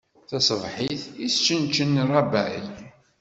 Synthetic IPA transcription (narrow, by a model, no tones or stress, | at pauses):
θɑsˤəvħiθist͡ʃːənt͡ʃənːɾˤɑbæʕi